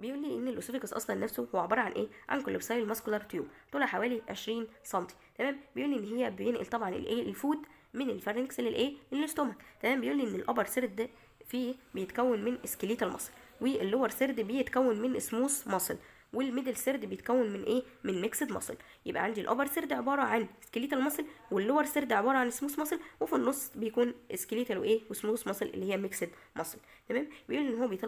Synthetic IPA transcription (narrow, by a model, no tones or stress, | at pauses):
bejʔuːlːiːʔenːelʔosofiɡɑsʔɑ̰sˤlɑnːæfsohowʕobɑːɾˤɑʕanʔeːʕa̰nkolːebsɑjlmæskolɑɾˤt̪jṵːbt̪ˤuːlɑħawæːliʕeʃɾiːnsˤɑnt̪ʰi̥t̪æmæːmbejʔuːlːiʔenːɦejːæbejenʔḛlt̪ˤɑbʕɑnḛlʔeːlfuːd̪ | menelfæɾˤkselːelʔeːʔelːest̪oːmæt̪t̪ːæmæːmbejʔuːlːiʔenːelʔɑbɑɾˤseɾd̪ | fiːbejet̪kæwːenmenʔeskeliːt̪elmɑ̰sˤl | weelːowɑɾˤseɾd̪bejet̪kæwːenmenʔesmuːsmɑsˤl | welmed̪elseɾd̪bejet̪kæwːenmenʔeː | menmeksed̪mɑ̰sˤl | jḛbʔæ̰ʕand̪ilʔɑ̰bɑɾˤseɾd̪ʕebɑːɾˤɑʕaneskeliːt̪ælmɑsˤlwelːowɑɾˤseɾd̪ʕebɑːɾˤɑʕanʔesmuːsmɑsˤlwefinːosˤːbejækuːnʔeskeliːt̪ælwʔeːwesmuːsmɑsˤlʔḛlːihejːæmeksed̪mʔɑsˤlt̪æmæːmbejʔuːliʔenːhowːæbejet̪ˤ